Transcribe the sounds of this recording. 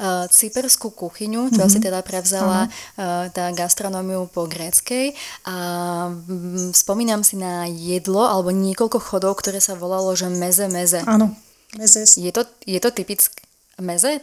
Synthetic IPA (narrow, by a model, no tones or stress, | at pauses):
t͡sipɛɾskukuxiɲut͡ʃɔas̬it̪ɛd̪apɾɛʊzalat̪aːɡast̪ɾɔnɔmiupɔɡɾɛːt͡skɛjʔa | spɔmiːnamsinajɛd̪lɔalɛbɔɲɪɛkɔlkɔxɔd̪ɔʊkt̪ɔɾɛːsaʋɔlalɔʒɛmɛzɛmɛzɛanɔ | jɛt̪ɔjɛt̪ɔt̪ipit͡sk | mɛzɛ